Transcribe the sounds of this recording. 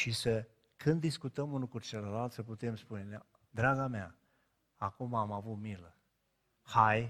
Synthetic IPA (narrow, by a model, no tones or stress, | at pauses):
ʃisə | kʰɨnd̪ːiskut̪əmunukut͡ʃeləlalt̪səput̪e̞mspune̞n | d̪ɾaɡamea | akumamavut̪milə | haj